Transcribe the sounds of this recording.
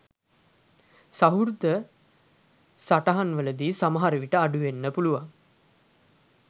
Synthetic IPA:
saɦuɾd̪ə | saʈaɦanʋələd̪iːsaməɦaɾəʋiʈəaɖuʋenːəpuluʋaŋ

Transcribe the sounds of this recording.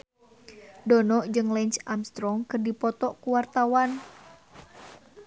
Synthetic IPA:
dɔnɔʔd͡ʒɨŋlɛɲt͡ʃamst̪ɾɔŋkərdipɔt̪ɔʔkuwart̪awan

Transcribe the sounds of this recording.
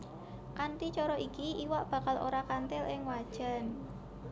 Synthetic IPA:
kant̪it͡ʃɔɾɔʔikiʔiwaʔb̥ä̤kalo̰ɾakant̪ɪlʔɪŋwad̥ʒ̥a̤n

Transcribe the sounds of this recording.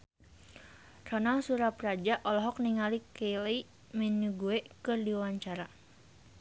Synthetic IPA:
rɔnaŋsuɾaprad͡ʒaʔɔlɔɦɔkniŋalikeli | mɛnuɡuekɨrdiwawaɲt͡ʃaɾa

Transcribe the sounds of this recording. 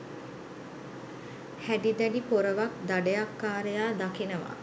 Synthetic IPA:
hæɖid̪æɖipoɾəʋak̚d̪aɖəjakːaːɾejaːd̪akinəʋa̰

